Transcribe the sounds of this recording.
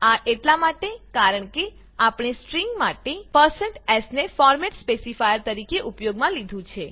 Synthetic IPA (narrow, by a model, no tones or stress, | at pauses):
aʔeʈlamaʈekaɾəɳke | apɳ̃esʈɾiŋɡmaʈepəɾsəɳʈɛsnefɔɾmɛʈspesifajəɾt̪əɾikeʔupjoɡmãlid̪ʱũt͡ʃʰe